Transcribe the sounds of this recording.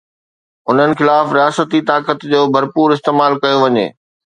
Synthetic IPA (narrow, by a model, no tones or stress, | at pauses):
ʊn̤ənɪ̆xɪlaːfɾijaːsət̪it̪aːkət̪d͡ʑoːbʱɐɾpuːɾɪs̬t̪eːmaːlkɐjoʋɐɲḛː